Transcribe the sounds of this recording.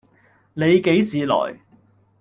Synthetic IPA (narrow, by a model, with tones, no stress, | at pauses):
ne˨˧jke˨˥jsiː˨˧lɔ̰ː˨˩j